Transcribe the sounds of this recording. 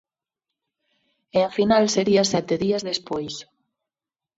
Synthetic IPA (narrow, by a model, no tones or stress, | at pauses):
eafinalseɾiɐsɛt̪eðiɐzðespojs